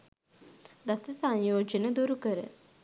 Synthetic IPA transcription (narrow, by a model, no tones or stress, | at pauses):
d̪ɐsɐsɐ̃njoːd͡ʒɐnɐd̪uɾukəɾə